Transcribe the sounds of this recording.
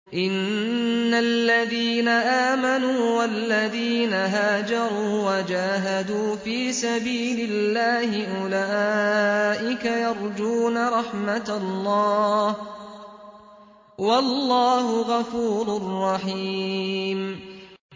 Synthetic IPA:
ʔɪnː | alːaðiːnaʔaːmanuːwalːaðiːnaɦaːd͡ʒɑɾˤuːwad͡ʒaːɦad̪uːfiːsabiːlɪlːaːhɪʔʊlaːʔɪkajɑɾˤd͡ʒuːnaɾˤɑħmat̪lˤːɑːh | wɑlːɑːhʊɣɑfuːɾʊrˤːɑħi | m

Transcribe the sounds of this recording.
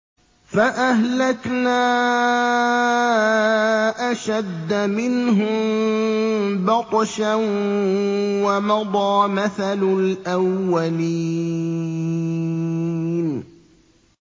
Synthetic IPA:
faʔahlaknaː | ʔaʃad̪ːamɪnɦʊm | bɑqˤʃan | wamɑd̪ˤɑːmaθalʊlʔawːali | n

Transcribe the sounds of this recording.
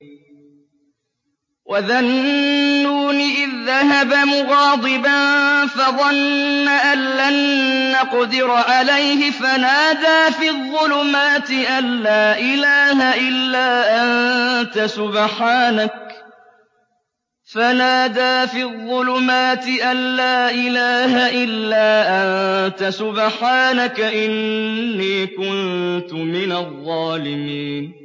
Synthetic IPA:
wʔaðanː | uːniːʔɪðːaɦabamʊɣɑːd̪ˤɨbanfɑðˤɑnːaʔanːanːɑqd̪ɪɾʕalajhɪfanaːd̪aːfiːðˤːʊlʊmaːt̪ɪʔanːaːʔɪlaːhaʔɪlːaːʔant̪asʊbħaːnak̚ | fanaːd̪aːfiðˤːʊlʊmaːt̪ɪʔanːaːʔɪlaːɦaʔɪlːaːʔant̪asʊbħaːnakaʔɪnːiːkʊnt̪ʊmɪnaðˤːɑːlɪmiːn

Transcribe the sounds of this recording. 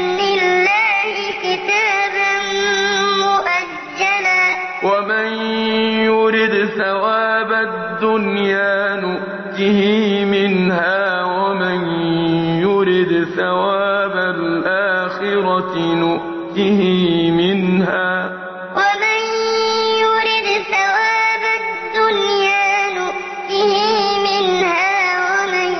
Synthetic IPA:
lɪlːaːhɪkɪt̪aːbanmʊʔad͡ʒːana | wamanjʊɾɪd̪θawaːba | d̪ːʊnjaaːnʊʔ | t̪ɪhiːmɪnhaːwamɪnjʊɾɪd̪θawaːbalʔaːxɪɾɑnʊʔ | t̪ɪhɪmɪnhaː | wamanjʊɾɪd̪θawaːbad̪ːʊnjaːnʊʔ | t̪ɪhimɪnhaːwaman

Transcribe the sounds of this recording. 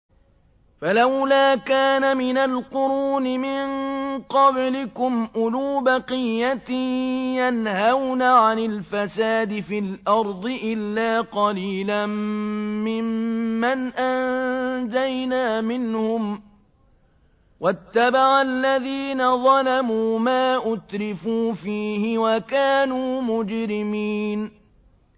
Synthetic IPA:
falawlaːkaːnamɪnalqʊɾuːnɪmɪɴqɑblɪkʊmʔʊluːbɑqɪjːat̪ijanhawnaʕanɪlfasaːd̪ɪfilʔɑɾˤd̪ˤɨʔɪlːaːqɑliːlamː | ɪmːanʔand͡ʒajnaːmɪnhʊm | wat̪ːabaʕalːaðiːnaðˤɑlamuːmaːʔʊt̪ɾɪfuːfiːhɪwakaːnuːmʊd͡ʒɾɪmiːn

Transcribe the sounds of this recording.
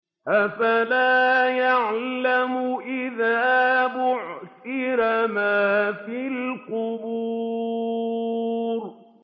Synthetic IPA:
ʔafalaːjaʕlamʊʔɪðaːbʊʕsɪɾamaːfiːlqʊbuː | ɾ

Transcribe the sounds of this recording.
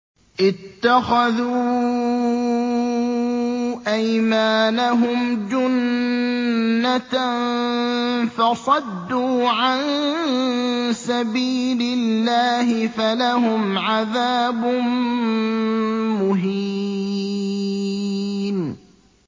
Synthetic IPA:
ʔɪt̪ːaxaðuː | ʔajmaːnaɦʊmd͡ʒʊn | at̪ | fɑsˤɑd̪ːuːʕan | sabiːlɪllːaːhɪfalahʊmʕaðaːbʊn | mʊɦi | n

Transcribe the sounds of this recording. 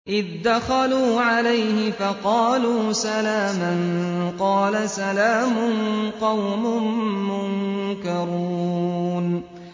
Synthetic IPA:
ʔɪðd̪axaluːʕalajhɪfɑqɑːluːsalaːmanqɑːlasalaːmʊnqɑwmʊnmʊŋnkɑɾuːn

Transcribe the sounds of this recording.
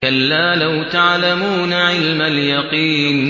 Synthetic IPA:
alːaːlawt̪aʕlamuːnʕɪlmaljɑqiːn

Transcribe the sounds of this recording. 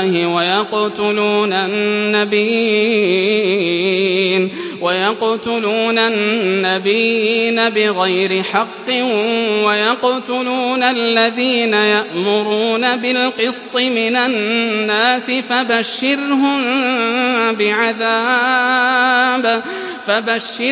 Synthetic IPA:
hɪwajɑqt̪ʊluːnanːabiː | n | wajɑqt̪ʊluːnanːabiːnabɪɣajɾɪħɑqːɨnwajɑqt̪ʊluːnalːaðiːnajaʔmʊɾuːnabɪlqɨst̪ˤɨmɪnanːaːsɪfabaʃːɪɾɦʊm | bɪʕaðaː | b | fabaʃːɪ

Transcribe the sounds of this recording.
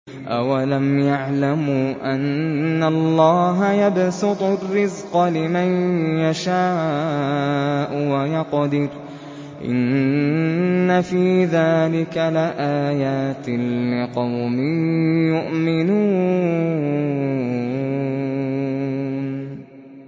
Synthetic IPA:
ʔawalamjaʕlamuʔanːalːɑːɦajabsʊt̪ˤʊrːɪzqɑlɪmanjaʃaː | ʔʊwajɑqd̪ɪɾ | ʔɪ̰n | afiːðaːlɪkalɪʔaːjaːt̪ɪlːɪqɑwmɪjʊʔmɪnuː

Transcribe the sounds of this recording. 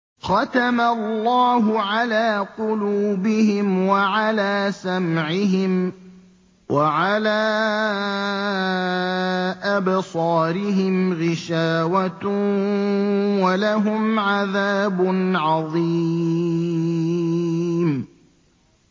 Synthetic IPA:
xɑt̪amalːɑːɦʊʕalaːqʊluːbɪhɪmwaʕalaːsamʕɪɦɪm | wʔaʕalaː | ʔabsˤɑːɾɪɦɪmɣɪʃaːwat̪ | walaɦʊmʕaðaːbʊnʕɑðˤiː | m

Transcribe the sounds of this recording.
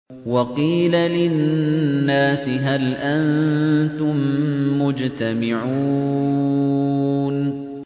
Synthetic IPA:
wɑqiːlalɪnːaːsɪɦalʔannt̪ʊmːʊd͡ʒt̪amɪʕuː | n

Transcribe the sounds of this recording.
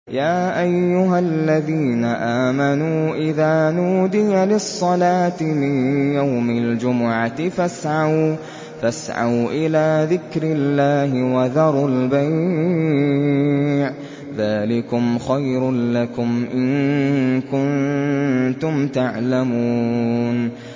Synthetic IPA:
jaːʔajːʊɦalːaðiːnaʔaːmanuːʔɪðaːnuːd̪ɪjalɪsˤːɑlaːt̪ɪmɪnjawmald͡ʒʊmʊʕat̪ɪfasʕaw | fasʕa̰wʔɪlaːðɪkɾɪlːaːɦɪwaðɑɾˤalbaj | ʕ | ðaːlɪkʊmxajɾlakʊmʔɪnkʊn | t̪ʊmt̪aʕlamuːn

